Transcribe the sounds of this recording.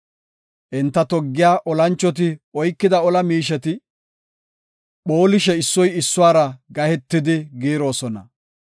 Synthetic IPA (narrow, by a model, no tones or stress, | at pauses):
ʔɪnt̪ːɐt̪ɔɡːɪjaːʔɔlɐnt͡ʃːɔt̪̬ɪɔjkːɪd̪ɐɔlɐmiːʃɛt̪ɪ | ɓo̞ːlɪʃɛɪsːɔjɪsːʊwaːɾɐɡɐhɛt̪ːɪd̪ɪɡiːɾo̞ːsɔnɐ̰